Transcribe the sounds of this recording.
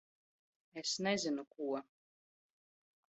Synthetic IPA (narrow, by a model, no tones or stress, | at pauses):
esnɛzinukuɔ